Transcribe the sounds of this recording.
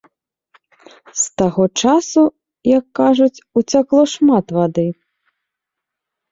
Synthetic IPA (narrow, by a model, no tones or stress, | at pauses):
st̪aɣɔt͡ʂasu | jɐkːaʐut͡sʲut͡sʲaklˠɔʂmat̪vad̪ɨ